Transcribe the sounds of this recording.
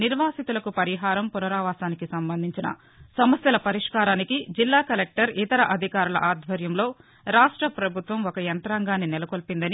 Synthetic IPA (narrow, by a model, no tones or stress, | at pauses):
niɾʋaːsit̪ulɐkupɐɾiɦaːɾɐmpunɐɾaːʋaːsaːnikisɐmbɐnd̪ʱiɲt͡ʃinɐ̰ | sɐmɐsjɐlɐpɐɾiʂkaːɾaːnikid͡ʒilːaːkɐlek̚ʈɐɾit̪ɐɾɐʔɐd̪ʱikaːɾulɐ̰ʔaːd̪ʱʋɐɾjɐmlo̞ː | ɾaːʂʈɾɐpɾɐbʱut̪ʋɐmɔkɐjɐnt̪ɾaːŋɡaːnːinɛlɐkolpind̪ɐni